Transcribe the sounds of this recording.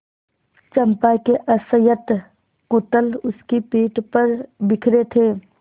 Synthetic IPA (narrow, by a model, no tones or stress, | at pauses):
t͡ʃəmpakeʔəsəjət̪ | kʊt̪əlʊskipiːʈpəɾbɪkʰɾet̪ʰeː